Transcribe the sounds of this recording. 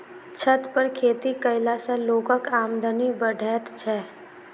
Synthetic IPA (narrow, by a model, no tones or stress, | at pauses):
t͡ʃʰət̪pəɾkʰeːt̪ikəɪlasẽloːkəkaːmd̪ənibəɖʱɛːt̪t͡ʃʰɛː